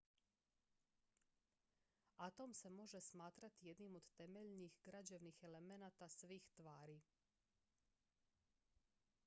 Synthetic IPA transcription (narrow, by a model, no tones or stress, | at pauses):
at̪o̞mse̞mo̞ʒe̞smaːt̪ɾat̪ije̞d̪nimo̞d̪t̪e̞meʎnixɡɾad͡ʑeʋnixe̞le̞me̞nat̪asʋiːxt̪ʋaːɾi